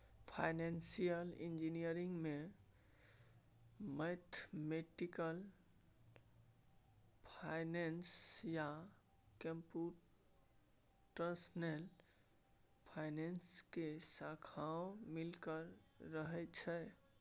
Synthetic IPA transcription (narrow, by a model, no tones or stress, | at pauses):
pʰa̰jnensijəlind͡ʒinijəɾiŋɡme | mət̪ʰmeʈikəl | pʰajnensja | kəmpu | ʈəɾsənel | pʰajnenskesakʰaõmilkəɾːəɦɛt͡ʃʰɛ